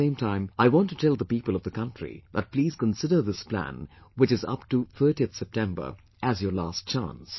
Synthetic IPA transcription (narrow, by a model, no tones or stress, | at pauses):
ẽɪ̃mtʰãɪ̃maɪwɑ̃ntɨtʰɛlˠðəpipəlˠʌvðəkʌ̃ntʰɹ̥ḭb̥ʌt̚pʰl̥iːz̥kə̃nsɪdə˞ðɪspʰl̥æ̰̃nwɨt͡ʃɨzʌ̰p̚tuθʰɜ˞ɾiθsɛp̚tʰɛ̃mbə̰˞ | ʔɨzjə˞læst̚t͡ʃæ̰̃ns